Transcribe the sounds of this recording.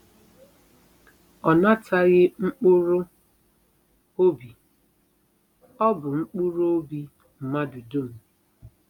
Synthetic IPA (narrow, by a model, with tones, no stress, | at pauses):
ɔ˨na˦tʰa˦ɣɪ˦ŋ͡m̩˦k͡pu˦ɾʊ˦ | o˦bi˨ | ɔ˦bʊ˨ŋ͡m̩˦k͡pu˦ɾo˦o˦bi˦ | m̩˨ma˦du˨do˦˨m̩˨